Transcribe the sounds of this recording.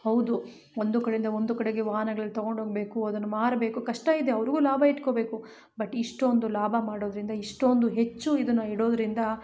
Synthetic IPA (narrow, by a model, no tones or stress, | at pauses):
hɐwd̪u | ond̪ukɐɽeind̪ɐond̪ukɐɽeɡe̞ʋaːɦɐnɐɡɐɭɐlːit̪ɐɡo̞ɳɖɦoːɡbe̞ːkuɐd̪ɐnːumaːɾɐbe̞ːkukɐʂʈɐid̪eɐʋɐɾiɡuːlaːbʱɐiʈko̞be̞ːku | bɐʈːiʂʈo̞nd̪ulaːbʱɐmaːɽoːd̪ɐɾind̪ɐiʂʈo̞nd̪uɦe̞t͡ʃːuid̪ɐnːuɦiɽoːd̪ɐɾind̪ɐ